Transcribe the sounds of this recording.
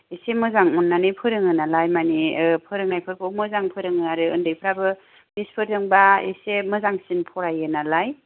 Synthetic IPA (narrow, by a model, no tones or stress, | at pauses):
esemɯzaŋɔnːanɯpʰɯɾɯŋɯnalajmanipʰɯɾɯŋajpʰɯɾkʰɯmɯzaŋpʰɯɾɯŋɯaɾɯɯndɯjpʰɯɾabɯ | bispʰɯɾdɯŋbaḛsemɯzaŋsinpʰɔɾajɯnalaj